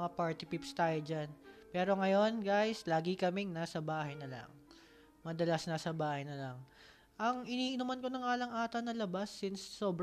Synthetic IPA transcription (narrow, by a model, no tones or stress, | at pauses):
ŋapaɹt̪ɪpipst̪aːjod͡ʒanpɛːɾo̞ŋɐjo̞nɡajslaːɡɪkɐmɛŋnaːsɐbaːhɐjnɐlɐ̰ŋ | mɐd̪ɐlasnasɐbaːhɐjnɐlɐŋ | ʔɐŋʔɪniːʔɪnumɐnko̞nɐŋaːlɐŋʔaːt̪ɐnɐlɐbasːɪnsːo̞ːbɾ